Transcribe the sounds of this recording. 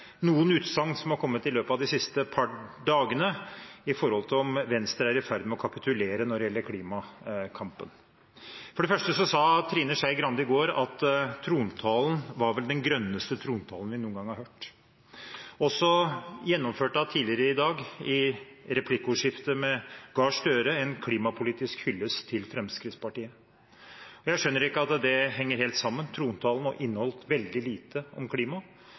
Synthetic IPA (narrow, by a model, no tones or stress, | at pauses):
nuːənʉːt̪sɑŋːsɔmhɑɾkʰɔmːət̪ɪløːpɑd̪ɪsɪst̪əpʰɑɖɑːɡənəɪfɔɾhɔlt̪ʰɪlɔmʋɛnst̪əɾæɾɛfæɾd̪mɛɔkʰɑpɪt̪ʰʉleːɾənɔɖɛjɛlːəɾkʰliːmɑkʰɑmpən | fɔɖɛfœʂʈəsɔsɑːt̪ʰɾiːnəʂæɪɡɾɑnd̪əɪɡoːɾɑt̪t̪ʰɾuːnt̪ʰɑːln̩ʋɑɾʋɛld̪ɛnɡɾœnːəst̪ət̪ʰɾuːnt̪ʰɑːln̩ʋɪnuːənɡɑŋhɑɾhøːʈ | ɔsɔjɛnːɔmføːʈɑt̪ʰiːlɪəɾəɪd̪ɑːɡɪɾɛpʰlɪkːʊʂɪft̪əmɛɡɑːʂt̪œːɾəɛnkʰliːmɑpʰʊliːt̪ɪskhʏlːəst̪ʰɪlfɾɛmskɾɪt̪spɑʈiːə | ɔjæɪʂœnːəɾɪkːəɑt̪d̪ɛɦɛŋːəɾheːlt̪sɑmːənt̪ʰɾuːnt̪ʰɑːln̩ɔ̰ʔɪnːəhɔlt̪ʋɛld̪ɪliːt̪ʰəɔ̰mkʰliːmɑ